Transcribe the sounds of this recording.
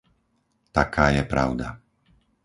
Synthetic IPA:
t̪akʰaːjɛpɾa̰ʊd̪a

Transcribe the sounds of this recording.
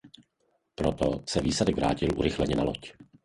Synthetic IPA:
pɾot̪osɛviːsadɛɡvɾa̰ːcɪlʔṵɾɪxlɛɲɛnaloc

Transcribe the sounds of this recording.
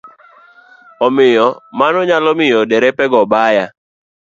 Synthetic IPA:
ɔmɪjɔmanɔɲalɔmɪjɔdɛɾɛpɛɡɔbaja

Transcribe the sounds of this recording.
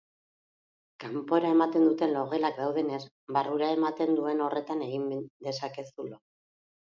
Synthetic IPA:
kampo̞eɾae̞mat̪e̞nd̪ut̪e̞nlo̞ɣe̞lak̚d̪awðe̞ne̞s | βaruɾae̞mat̪e̞nd̪ue̞no̞re̞t̪ane̞ɣ̞ind̪e̞sake̞sulo

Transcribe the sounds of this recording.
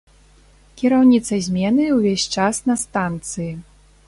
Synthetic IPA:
kʲiɾawnʲit̪sɐzʲmʲɛnɨwvʲesʲt͡ʂasnɐst̪ant̪sɨji

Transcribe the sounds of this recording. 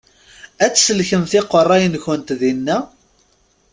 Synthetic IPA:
æt͡sːsəlçəmθɪqːərˤːæjənçənt̪ðinːæ

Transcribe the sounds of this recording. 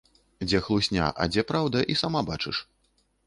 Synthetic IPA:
d͡zʲɛxlˠusʲnʲa̰ʔɐ̰d͡zʲɛpɾawd̪ɐʔisamabat͡ʂɨ̰ʂ

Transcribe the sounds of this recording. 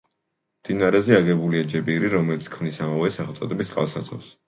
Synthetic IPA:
md̪̥inaɾɛzɛaɡɛbuliad͡ʒɛbiɾiɾɔmɛlit̪skʰmnisamavɛsaχɛlt̪sʼɔd̪ɛbisqʼa̰lˠsat̪sʰɔ̰fs

